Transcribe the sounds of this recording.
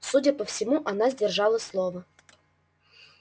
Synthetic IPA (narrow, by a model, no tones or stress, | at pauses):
sudʲəpəfsʲɪmuʔanazʲdʲɪrʐɑlˠəslˠovə